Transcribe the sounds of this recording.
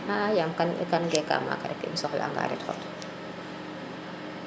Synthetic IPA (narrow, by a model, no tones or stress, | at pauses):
ajamkanɛkanɡɛkːa̰ːma̰ːkaɾɛkːinsɔxlʔa̰ŋɡa̰ːɾɛ̰txɔ̰t